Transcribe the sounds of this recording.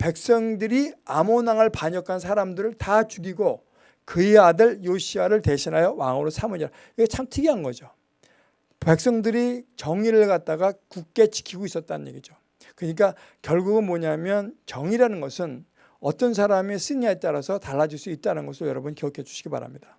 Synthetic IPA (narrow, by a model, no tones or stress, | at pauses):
pe̞k̚s͈ʌŋdɯɾiamonaŋɯɭpaɲʌkʰans̬ʰaɾamdɯɾɯɭtat͡ɕuɡiɡo | kɯeadɯɭjoɕʰiwaɾɯɭte̞ɕʰinɦajʌwa̰ŋoɾosʰamuɲiɾa | kɯɡet͡ɕʰamtʰɯɡiɦanɡʌd͡ʑo | pe̞k̚s͈ʌŋdɯɾit͡ɕʌŋiɾɯɭɡat̚t͈aɡakuk̚k͈e̞t͡ɕi̥kʰiɡois͈ʌt̚t͈anɯɲje̞̰ɡid͡ʑo | kɯɲik̬͈a | kjʌɭɡuɡɯnmwʌɲamjʌnt͡ɕʌŋiɾanɯnɡʌsʰɯn | ʌt͈ʌns̬ʰaɾames͈ɯɲiɦaet͈̚aɾasʰʌtaɭːad͡ʑiɭs͈uit̚t͈aɾnɡʌsʰɯɭjʌɾʌbunkiʌkʰe̞d͡ʑu̥ɕʰi̥ɡ̥ipa̰ɾa̰mɲidḁ